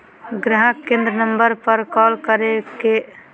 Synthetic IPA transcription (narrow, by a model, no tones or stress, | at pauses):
ɡɾaɦəkːẽnd̪ɾənəmbəɾpəɾkɔlkəɾeke